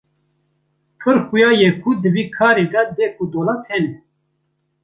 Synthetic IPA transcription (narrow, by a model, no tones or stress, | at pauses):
pʰɨɾxujɑːjekʰud̪ɨviːkʰɑːɾeːd̪ɛd̪eːkʰud̪oːlɑːt̪ʰɛnɛ